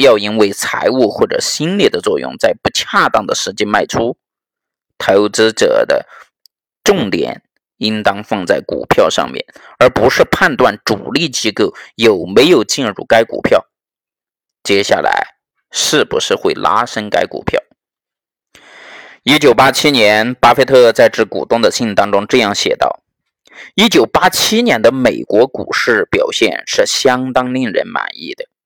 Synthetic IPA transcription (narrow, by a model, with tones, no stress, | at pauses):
jɑ˥˩ʊi˥nwe˥˩ɪt͡sʰa̰˧˥ɪu˥˧xwɔ˥˩ʈ͡ʂɤ̰˨˩ɕi˥nlji˥˩d̪ə˩t͡swɔ˥˧jʊ̰˧ŋt͡sa˥˧ɪpu˧˥t͡ɕʰja˥˧t̪ɑ˥˩ŋd̪ə˩ʂɻ̩˧˥t͡ɕjɛ˥nma˥˩ɪʈ͡ʂʰu˥ | t͡s̪ʰa˧˥ɪu˥˩ʈ͡ʂɻ̩˥ʈ͡ʂɤ̰˨˩d̪ə̰˦ | ʈ͡ʂʊ˥˩ŋt̪jɛ̰˨˩˦n | i˥nt̪ɑ˥ŋfɑ˥˧ŋt͡sa˥˩ɪkṵ˨˩pʰjɑ˥˧ʊʂɑ̰˥˧ŋmjɛ̰˥˩n | ə˞˧˥pu˧˥ʂɻ̩˥˧pʰa˥˧nt̪wa˥˩nʈ͡ʂu˨˩li˥˩t͡ɕi˥kɤ˥˩ʊjo˨˩ʊme˧˥ɪjo˨˩ʊt͡ɕi˥˧nɻṵ˥˩ka˥ɪkṵ˨˩pʰjɑ˥˩ʊ | t͡ɕjɛ˥ɕja̰˥˩lʔa̰˧˥ɪ | ʂɻ̩˥˩bu˧˥ʂɻ̩˥˧xwe˥˩ɪla̰˥ʂə˥nka̰˥ɪkṵ˨˩pʰjɑ̰˥˩ʊ | i˥t͡ɕjo˨˩ʊpa˥t͡ɕʰi˥njɛ˧˥npa˥fe˥ɪt̪ʰɤ˥˧t͡sa˥˧ɪʈ͡ʂɻ̩˧˥kṵ˨˩t̪ʊ˥ŋd̪ə˨ɕi˥˩ŋt̪ɑ˥ŋʈ͡ʂʊ˥ŋʈ͡ʂɤ˥˧jɑ˥˩ŋɕjɛ̰˨˩t̪ɑ̰˥˩ʊ | i˥t͡ɕjo˨˩ʊpa˥t͡ɕʰi˥njɛ˧˥nd̪ə˧me˨˩ɪkwɔ˧˥kṵ˨˩ʂɻ̩˥˩pjɑ˨˩ʊɕjɛ̰˥˧nʂɻ̩˥˩ɕjɑ˥ŋt̪ɑ˥ŋli˥˩ŋɻə̰˧˥nma̰˨˩nḭ˥˩d̪ə˩